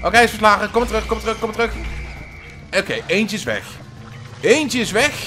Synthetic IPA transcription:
ʔokejɪsfəɹs̬laːχəkɔmʋətəʁɵxkɔmʋətʁɵxkɔmətəʁɵx | okejʔejnt͡ʃəɪsʋɛ̰x | ejnt͡ʃəɪsʋɛx

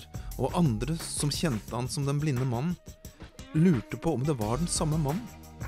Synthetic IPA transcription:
ʔoːʔɑnd̪ɾəsɔmçɛnt̪əhɑnsɔmd̪ɛnblɪnːəmɑnn̩ | lʉːʈəpʰɔɔmd̪ɛʋɑɖɛnsɑmːəmɑnn̩

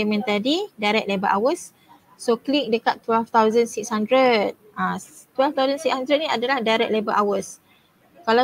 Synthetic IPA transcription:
emɛ̃nt̪adidajɾɛk̚lebəʔawəs | soklik̚dəkat̪ːwɛlft̪awzə̃nsikshandɾət̪̚ʔã | t̪wɛlft̪awzə̃nsikshãndɾət̪̚nĩadəlahdajɾɛ̰k̚lebəʔawəs | kala

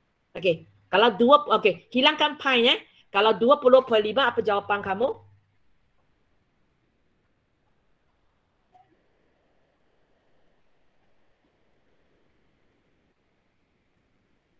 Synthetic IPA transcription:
ʔoke | kalawduəʔokehilaŋkanpʰajnɛ | kalawduəpulopʰɔjlibaapəd͡ʒawapankʰamo

